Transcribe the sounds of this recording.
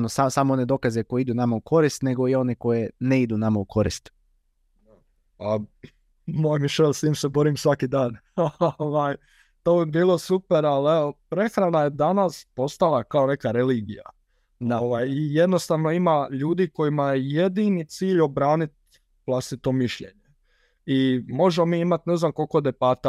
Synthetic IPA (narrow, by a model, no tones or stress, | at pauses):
nosasamoone̞d̪o̞kazeko̞jeid̪unamaukʰo̞ɾist̪ne̞ɡo̞io̞neko̞jeneid̪unamaukʰo̞ɾḭst̪ | a | a | mojmiʃelʲst̪iːmsebo̞ɾimsʋakid̪aːn | oʋaj | t̪oːebiːlˠo̞supeɾalepɾe̞xɾanajed̪anaspo̞st̪alˠakaone̞kaɾe̞liːɡija̰ | naʋajije̞d̪no̞st̪aːʋno̞imaʎuːd̪iko̞jimajeje̞d̪init̪siːʎo̞bɾaːnit̪̚ | ʋlˠast̪it̪o̞miʃʎe̞̰ɲe | imo̞ʒemo̞miːimat̪ne̞znamko̞lko̞d̪epat̪a